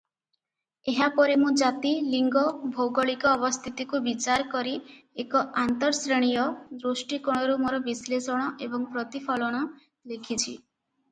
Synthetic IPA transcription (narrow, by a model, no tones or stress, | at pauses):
eɦapɔɾimũd͡ʒat̪iliŋɡɔbʱowɡɔɭikɔːbɔst̪ʰit̪ikubit͡ʃaɾkɔɾiekɔant̪ɔɾsɾeɽ̃ijɔd̪ɾosʈikɔɽ̃ɔɾumoɾɔbislesɔɽ̃ɔʔebɔŋpɾɔt̪ipʰɔlɔɽ̃ɔ | lekʰit͡ʃʰi